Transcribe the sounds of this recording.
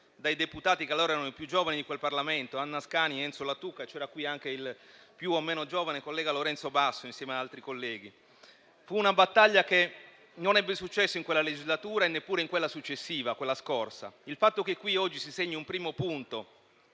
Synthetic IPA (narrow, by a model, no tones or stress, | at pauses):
d̪ajd̪eput̪aːt̪ikealːoːɾaɛɾanoipjud͡ʒːoːvanid̪ikwelparlament̪oanːaskaːniɛnt̪solat̪ukːaet͡ʃɛːɾakwiaŋk̟eilpjuomːeːnod͡ʒoːvanekolːɛːɡaloɾɛnt̪sobasːoinsjɛːmead̪alt̪ɾikolːɛːɡ̟i | fuːnabat̪ːaʎːake | nonɛbːesut͡ʃːɛsːoiŋkwelːaled͡ʒizlat̪uːɾaenːepːuːɾeiŋkwelːasut͡ʃːesːiːvakwelːaskorsa̰ilfat̪ːokekːwiɔd͡ʒːisiseɲːiumpɾiːmopunt̪o